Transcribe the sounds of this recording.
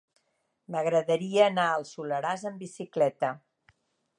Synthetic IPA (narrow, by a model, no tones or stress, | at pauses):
məɣɾəðəɾiəːnaəlˠsuləɾazəmbisiklɛt̪ə